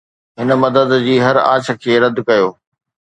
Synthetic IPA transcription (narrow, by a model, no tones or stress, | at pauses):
ɦɪn̆mɐd̪əd̪d͡ʑiːɦɐɾa̰ːt͡ɕʰə̆kʰeːɾɐd̪kɐjoː